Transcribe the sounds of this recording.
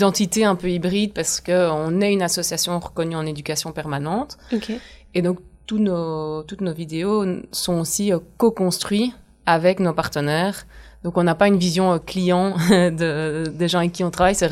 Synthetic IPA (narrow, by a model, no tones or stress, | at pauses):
d̪ɑ̃t̪it̪eɛ̃pøibʁid̪paʁsə̥kəɔ̃nɛynasɔsjasjɔ̃ʁəkɔnyɑ̃ned̪ykʲasjɔ̃pɛʁmanɑ̃t̪ked̪ɔ̃ːk̚t̪unot̪ut̪novid̪eosɔ̃osiøkokɔ̃st̪χɥi | avɛknopaʁt̪ənɛːʁd̪ɔ̃kɔ̃napaynvizjɔ̃øklijɑ̃d̪əd̪eʒɑ̃ɛkʲːiɔ̃t̪χavajsɛ